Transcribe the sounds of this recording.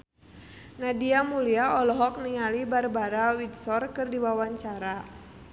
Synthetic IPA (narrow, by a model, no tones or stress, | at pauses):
nadiamuliaɔlɔɦɔk̚niŋalibarbaɾawidsɔrkɨrdiwawaɲt͡ʃaɾa